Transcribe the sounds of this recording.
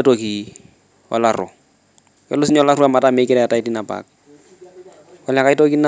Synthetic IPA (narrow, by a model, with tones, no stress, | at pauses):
to˨ki˨ | ɔ̰˨larʊ̰˨ | kɛ̰˦lʊ˦sɪ˦ɲ˦ɔ˦la˦ɾu˦a˨ma˨ta˦me˨˦kɪdɛ˨a˨ta˦ɪ˦ti˦na˨pa̰˨k̚ | ɔ˦la˨ka˦ɪ˦to˦ki˦na